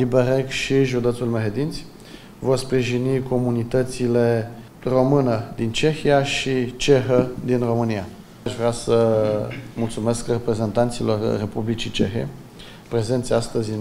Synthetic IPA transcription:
libeɾekʃiʒud̪et̪sulmeɦed̪int̪sʲ | vo̞rspɾiʒiniko̞munit̪ət̪sile̞ | ro̞mɨnəd̪int͡ʃe̞xijaʃit͡ʃe̞xəd̪inro̞mɨnija | aʃvɾeasə | mult̪sume̞skrepɾe̞ze̞nt̪ant̪silo̞rːe̞publit͡ʃit͡ʃḛxḛ | pɾe̞ze̞nt̪seast̪əzʲi

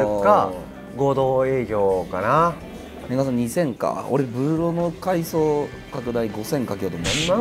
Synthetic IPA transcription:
ka | ɡo̞ːd̪oːe̞ːɡʲo̞ːkana | minas̬ãɲ̟isẽ̞ŋka̰o̞̰ɾebɯ̟ːɾo̞nokaisoː | kakɯ̟d̪aiɡo̞sẽ̞ŋkak̬ʲeot̪omonaɾʲima

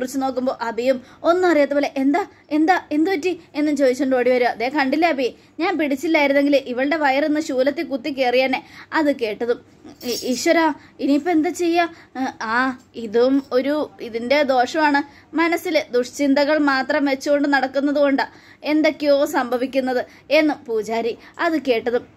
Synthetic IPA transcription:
kurit͡ɕːuno̞ːkːumbo̞ːʔɐðijumo̞nːɨɐrijaːt̪ːeoːleʔend̪a | e̞nd̪aːe̞nd̪ɨʋɐtːie̞nːumt͡ɕo̞ːðit͡ɕːuɳɖo̞ːɽiʋɐɾuɐðeːkɐɳɖilːɐːbi | ɲaːnpiɽit͡ɕːilːaːjiɾunːeŋɡilʔiʋɐɭɨɽe̞ʋɐjɐrenːɨɕuːlɐt̪ːikut̪ːik̬ːeːrijaːnːeɐðɨke̞ːʈːɐðum | iɕʋɐɾaːiniːpːoe̞nd̪at͡ɕe̞jːaaːiðumo̞ɾuiðinde̞d̪o̞ːʂɐmaːɳɨ | mɐnɐsild̪uʂt͡ɕind̪ɐɣɐɭmaːt̪rɐmʋe̞t͡ɕːuɣo̞ɳɖɨnɐɽɐkːunːɐðuɣo̞ɳɖɨ | e̞nd̪okʲːio̞ːsɐmbʱɐʋikʲːunːɐðɨ | e̞nːumpuːt͡ɕaːɾi | ɐðɨke̞ːʈːɐðum

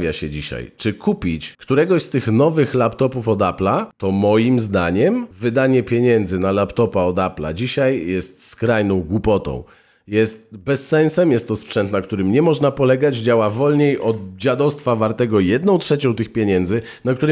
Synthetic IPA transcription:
vʲja̰ɕɛ̰d͡ʑiɕa̰jt͡ʂɘkupʲit͡ɕkt̪uɾɛɡɔɕst̪ɘxnɔvɘxlapt̪ɔpufɔd̪aplat̪ɔmɔjimzd̪a̰ɲɛmvɘd̪aɲɛpʲjeɲɛnd̪zɘnalapt̪ɔpaɔd̪apla̰d͡ʑiɕajjɛst̪skɾajnɔ̃w̃ɡwupɔt̪ɔ̰̃w̃ | jɛst̪̚bɛsːɛnsɛmjɛst̪ːɔspʂɛnt̪nakt̪uɾɘmɲɛmɔʐnapɔlɛɡad͡ʑd͡ʑawavɔlɲejʔɔd̪d͡ʑad̪ɔst̪favaɾt̪ɛɡɔjɛd̪nɔ̃w̃tʂɛt͡ɕɔ̃w̃t̪ɘxpʲjeɲɛnd̪zɘ | nakt̪uɾɘ

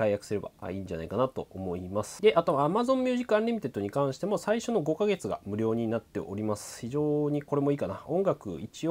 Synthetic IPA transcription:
aijakɯ̟sɨɾe̞ba̰a̰iːɲ̟d͡ʑa̰na̰ikanat̪o̞̰ʔomo̞imasɨ̥d̪eʔat̪o̞βaːmazõ̞mmʲjɨːʑikɯ̟ãnɾʲimit̪e̞t̪ːo̞ɲ̟ikãɰ̃ɕi̥t̪e̞mo̞saiɕo̞no̞ɡo̞kaɡe̞t͡sɨɡa̰mɯ̟ɾʲo̞ːɲ̟inat̪ːe̞̰ʔo̞̰ɾʲimasɨ̥çiʑo̞ːɲ̟iko̞ɾe̞mo̞iːkanaõ̞ŋɡakɯ̟̰it͡ɕio

